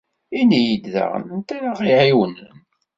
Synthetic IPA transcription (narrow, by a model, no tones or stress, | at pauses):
inijid̪ðæ̰ʁə̰nənt̪æɾaʁiʕiwənən